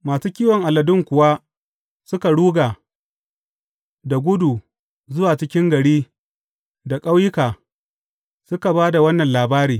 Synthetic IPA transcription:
maː˨suː˦kʲiː˦wɔ˨ŋʔa˨lɐ˨dʊ˦ŋkʷʊ˨wa˦ | sʊ˦ka˨ɽuː˦ɡaː˨ | da˨ɡʷʊ˦du˨ | zʊ˦waː˨t͡ʃɪ˦kʲɪ˦ŋɡɐ˨ɽiː˦ | da˨kʼa˦wjɪ˦kaː˨ | sʊ˦ka˨baː˦da˨wɐ˦nːɐ˨nlaː˨baː˦ɾiː˨

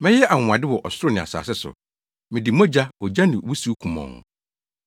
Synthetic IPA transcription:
mɛ̃˦jɛ˦ʔa˨ŋ˨ã˨dɪ˦wɔ˨ʔɔ˨sʊ˦ɾʊ˦nɪ̃˨a̰˨sa̰ː˨sɪ˦sʊ̰˨ | mɪ̃˨di˨mɔ˦d͡ʑa˦ɔ˨d͡ʑa˦nɪ̃˨wu˦su˨˦kʰũ˨mɔ̰̃˨ŋ̰˨

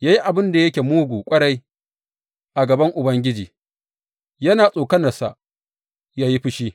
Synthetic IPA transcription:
jaː˦ji˦ʔa˨bɪ˦nda˨jɐ˦kʲe˨muː˦ɡʷuː˨kʷʼɐ˦ɽa˦j | ʔa˨ɡɐ˨bɐ˦ŋʔʊ˨bɐ˦ŋɡʲɪ˦d͡ʒiː˨ | jɐ˦naː˨sʼoː˨kɐ˦nɐ˨rsa̰˨ʔ | jaː˦ji˦ɸɪ˦ʃiː˦

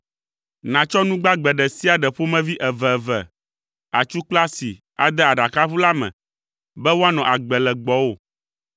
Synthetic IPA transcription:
nã˨t͡ʃɔ˦nũ˦ɡ͡ba˦ɡ͡bɛ˨ɖɛ˨si˦a˨ɖɛ˨ɸo˦mɛ̃˦vi˦ʔɛ˨vɛ˨vɛ˨ | a̰˨t͡ʃu˦k͡pla˦si˨ | a̰˨d̪ɛ˦a˨ɖa˨ka˦ɸu˦la˦mɛ̰̃˨ | bɛ˦wo˦a˦nɔ̃˨ʔa˨ɡ͡bɛ˨lɛ˨ɡ͡bɔ˨wo˦˨

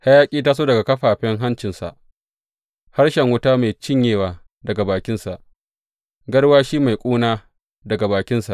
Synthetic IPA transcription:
ha˦jaː˦kʲʼiː˦taː˦s̬oː˦dɐ˨ɡa˨kɐ˦ɸaː˨ɸɛ˦ŋɦa˦nt͡ʃɪ˨nsa̰˨ʔ | ha˦rʃɛ˨ŋwʊ˦taː˦maː˨jt͡ʃɪ˦ɲjeː˨waː˨ | dɐ˨ɡa˨baː˨kʲɪ˦nsa˨ʔ | ɡɐ˦ɽwaː˦ʃiː˦ma˨jkʷʼuː˦naː˦ | dɐ˨ɡa˨baː˨kʲɪ˦nsa˨ʔ

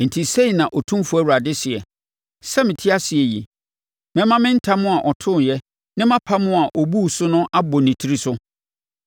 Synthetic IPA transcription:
n̩˨tʰi˨se˦˨nã˨ʔɔ˨tʰũ˦fu˨˦æ˦˨wu˨ɾa˨dɪ˦sɪ˨ɛ˨ | sɛ˦mɪ̃˨tʰi˦a˦sɪ˨ɛ˨jḭ˨ | mɛ̃˦mã˦mɪ̃˦n̩˦tʰa˦mʊ̃˦a˨ʔɔ˨tʰʊ̃˦˨jɛ˦ | nɪ̃˦mã˦pʰa˦mʊ̃˦a˨ʔɔ˨bu˦˨sʊ˦nʊ̃˦ʔa˦bɔ˨nĩ˨tʰi˦ɾi˦sʊ˦

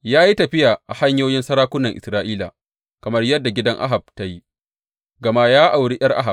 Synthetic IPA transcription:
jaː˦ji˦tɐ˨ɸɪ˦jaː˨ʔa˨ha˦ɲjoː˦jɪ˦nsɐ˦ɾaː˦kʷʊ˦nːɐ˨ŋʔɪ˨sɾaː˦ʔiː˦la̰ː˨ | kɐ˨mɐ˦rjɐ˦dːa˨ɡʲɪ˦dɐ˦ŋʔa̰˦ɦa˨b̚ta˦ji˦ | ɡɐ˨ma˦jaː˦ʔa˨wɽi˦ʔɐ˦rʔa̰˦ɦa˨b̚

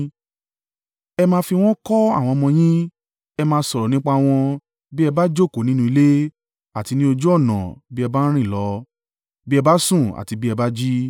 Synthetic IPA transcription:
ɛ˧mãː˧fi˧w̃ɔ̃˦kɔ˦a̰˦˨w̃ɔ̃˧mɔ̃˧j̃ĩ˦ | ɛ˧mãː˧sɔ˧˨ɾɔ˨nĩ˦k͡pa˧w̃ɔ̃˧ | bi˦ɛ˧ba˦d͡ʒo˦˨ko˨˦nĩ˦nũ˧i˧le˦ | a˦˨ti˧nĩ˦o˧d͡ʒo˦ɔ˦˨nã̰˨bi˦ɛ˧ba˦n̩˦ɾ̃ĩ˦˨lɔ˨˦ | bi˦ɛ˧ba˦sũ˦˨a̰˨ti˧bi˦ɛ˧ba˦d͡ʒi˦

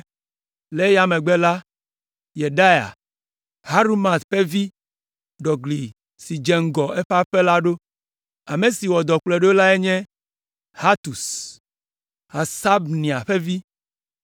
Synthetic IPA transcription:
le˦ja˨mɛ̃˨ɡ͡bɛ˦la˦ | je˨ɖa˦ja̰˨ | ha˦ɾu˦ma˨t̪ɸe˦vi˦ | ɖɔ˨ɡli˨ | si˨d͡ʒɛ˨ŋ̩˦ɡɔ˨ɛ˦ɸa˦ɸe˦la˦ɖo˦ | a˨me˨si˨wɔ˨d̪ɔ˨k͡plɛ˨ɖo˦la˦ɛ˦ɲɛ̃˦ | ha˦t̪u˨s | ɦa˨sa˦bnĩ˨a˨ɸe˦vi˦

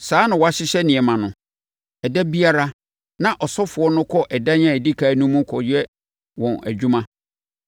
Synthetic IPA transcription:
saː˨˦nã˨wɔ˨a˨ɕɪ˦ɕɛ˦nɪ̃˨ɛ˨mã˨nʊ̃˨ | ɛ˨dɛ˦bi˦a˦ɾa˦ | nã˨ʔɔ˨sɔ˦fʊ˨ɔ˦nʊ̃˦kʰɔ˦ʔɛ˨da˦ɲã˦e˨di˦kʰa˨˦nũ˦mũ˦kʰɔ˨jɛ˦ | wɔ̃˨næ̰˨d͡ʑᶣu˦mã˦

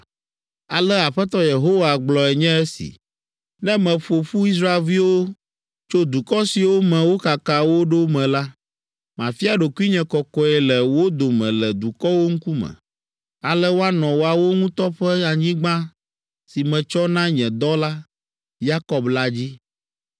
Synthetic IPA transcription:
a̰˨lɛ˦a˨ɸɛ˦t̪ɔ˦je˨ɦo˦wa˨ɡ͡blɔ˨ɛ˨ɲɛ̃˦ɛ˦sḭ˨ | nɛ̃˦mɛ̃˨ɸo˨ɸu˦i˦s̬ɾa˦e˨lvi˦wo˦ | t͡ʃo˦d̪u˨kɔ˦si˨wo˦mɛ̃˨wo˦ka˨ka˨wo˦ɖo˦mɛ̃˨la˦ | mã˨fi˦a˨ɖo˨ku˦i˦ɲɛ̃˨kɔ˨kɔ˨ɛ˨lɛ˨wo˦d̪o˨mɛ̰̃˨lɛ˨d̪u˨kɔ˦wo˦ŋ̩˦ku˦mɛ̰̃˨ | a˨lɛ˦wo˦a˦nɔ̃˨wo˦a˨wo˦ŋũ˦t̪ɔ˦ɸɛ˦a˨ɲĩ˦ɡ͡bã˦ | si˨mɛ̃˨t͡ʃɔ˦nã˦ɲɛ̃˨d̪ɔ˦la˦ | ja˦kɔ˨bla˦d͡ʑi˦

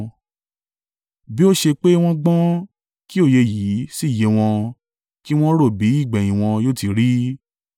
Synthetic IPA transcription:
bi˦o˦ʃe˧k͡pe˦w̃ɔ̃˦ɡ͡bɔ̃˦ | ki˦o˦˨je˧ji˨˦si˦˨je˨˦w̃ɔ̃˧ | ki˦w̃ɔ̃˦ɾo˦˨bi˨˦i˦˨ɡ͡bɛ̃˨j̃ĩ˨w̃ɔ̃˧joː˦ti˧ɾi˦

